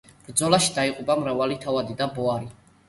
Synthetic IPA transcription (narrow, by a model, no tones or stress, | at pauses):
b̥ɾd̪zɔlaʃid̪aiqʼubamɾavalit̪ʰavad̪id̪abɔaɾi